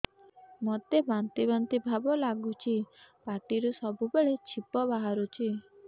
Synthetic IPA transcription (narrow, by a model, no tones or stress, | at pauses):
mɔt̪ebant̪ibant̪ibʱabɔlaɡut͡ʃʰipaʈiɾusɔbubeɭet͡ʃʰipɔbaɦaɾut͡ʃʰi